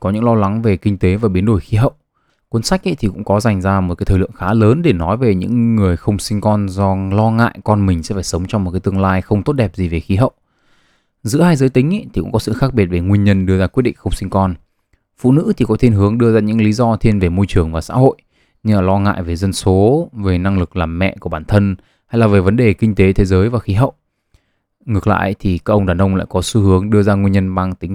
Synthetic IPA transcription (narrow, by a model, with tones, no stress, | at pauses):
kɔ˨˦ɲɨ̰˧˥ŋlɔ˧la˨˦ŋve˨˩ki˧ŋ̟t̪e˨˦vaː˨˩ɓi˨˦ənɗo˧˩jxi˨˦ɦə̰˧˨w | kwə˧nsa˦˥k̟̚ʔə̰˧˦˥t̪ʰi˨˩kʊ̰˧˥ŋ͡mkɔ˨˦za˨˩jŋ̟zaː˧mo˨˩ka˨˦jt̪ʰːlɨ̰˧˨əŋxaː˨˦ləː˨˦nɗe˧˩nɔ˨˦jve˨˩ɲɨ̰˧˥ŋːɨ˨˩əjxə˧wŋ͡msï˧ŋ̟kɔ˧nzɔ˧lɔ˧ŋa̰ː˧˨jkɔ˧nmï˨˩ŋ̟sɛ̰˧˥faː˧˩jsə˨˦wŋ͡mt͡ɕɔ˧wŋ͡mm˨˩t̚kaː˨˦jt̪ɨ˧əŋlaː˧jxə˧wŋ͡mt̪o˦˥t̚ɗɛ˨˩p̚zi˨˩ve˨˩xi˨˦ɦə̰˧˨w | zɨ̰˧˥əhaː˧jzəː˨˦jt̪ï˨˦ŋ̟ʔə̰˧˦jt̪ʰi˨˩kʊ̰˧˥ŋ͡mkɔ˨˦sɨ̰˧˨xaː˦˥k̚ɓi˨˩ət̚ve˨˩ŋwi˧nɲə˧nɗɨ˧əzaː˧kw̚ɗḭ˧˨ŋxə˧wŋ͡msï˧ŋ̟kɔ˧n | fṵ˧˨nɨ̰˧˥t̪ʰi˨˩kɔ˨˦t̪ʰe˧nɦɨ˨˦əŋɗɨ˧əzaː˧ɲɨ̰˧˥ŋli˨˦zɔ˧t̪ʰi˧nve˨˩mo˧jt͡ɕɨ˨˩əŋvaː˨˩sa̰ː˧˥ɦo̰˧˨j | ɲɨ˧aː˨˩lɔ˧ŋa̰ː˧˨jve˨˩zə˧nso˨˦ve˨˩na˧ŋlɨ˨˩k̚laː˨˩mːɛ̰˧˨ku˧˩əɓaː˧˩nt̪ʰə˧n | ha˧jlaː˨˩ve˨˩və˨˦nɗe˨˩kï˧ŋ̟t̪e˨˦t̪ʰe˨˦zəː˨˦jvaː˨˩xi˨˦ɦə̰˧˨w | ŋɨ˨˩ək̚la̰ː˧˨jt̪ʰi˨˩kaː˦˥kʔə˧ŋ͡mɗaː˨˩nʔə˧wŋ͡mla̰ː˧˨jkɔ˨˦sɨ˧˦ɦɨ˨˦əŋɗɨ˧əzaː˧ŋwi˧ɲə˧nɓaː˧ŋt̪ï˨˦ŋ̟